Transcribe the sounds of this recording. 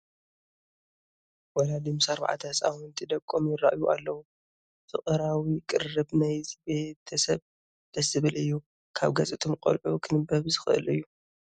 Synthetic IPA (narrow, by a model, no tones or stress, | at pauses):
wɔlad̪ɨmsaɾba̰ʕa̰t̪ʰasʼa̰wɔnt̪ʰid̪ɐkʼːomjɪra̰ʔjuʔalːɐwu | fʰɨχʼɨɾawikʼɨrɨbnajzbe̞t̪ʰɐsɐβ | d̪̥ɐsɨβɨlɨjːu | kʰaβɡɐt͡sʼit̪ʰomkʼo̰lʕukʰɨnɨbɐβzɨxɨʔɨ̰lɨjːu